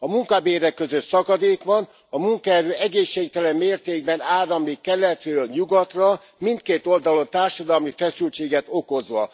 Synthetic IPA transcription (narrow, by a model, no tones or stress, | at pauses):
ɒmuŋkɒbeːɾɛkːøzøt̪sɒkɒd̪eːkʋɒn | ɒmuŋkɒɛɾøːɛɡeːʃːeːk̚t̪ɛlɛmmeːrt̪eːɡ̚bɛnaːɾɒmikɛlːɛt̪røːlɲuɡɒt̪rɒ | mint̪̚keːt̪o̞ld̪ɒlo̞nt̪aːrʃɒd̪ɒlmifɛsylt͡ʃeːɡɛt̪o̞ko̞zʋɒ